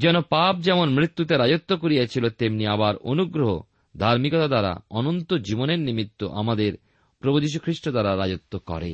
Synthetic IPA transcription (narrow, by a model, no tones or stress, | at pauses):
d͡ʑɛnopap̚d͡ʑɛmonmɾit̪ːut̪eɾad͡ʑot̪ːokoɾijat͡ɕʰilot̪emniabaɾonuɡɾoɦo̰ | d̪ʱaɾmikot̪ad̪aɾa̰ɔnont̪od͡ʑiboneɾnimit̪ːo̰ʔa̰mad̪eɾ | pɾobud͡ʑiʃ̬ukʰɾiʃʈod̪aɾaɾad͡ʑot̪ːokɔ̰ɾḛ